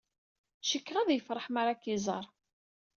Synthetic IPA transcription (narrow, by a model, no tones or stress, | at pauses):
ʃəkːʁæðjəfɾˤəħmaɾakizˤɑ̰ɾˤ